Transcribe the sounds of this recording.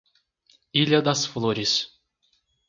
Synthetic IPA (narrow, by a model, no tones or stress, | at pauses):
ilʲad̪asflˠoɾʲis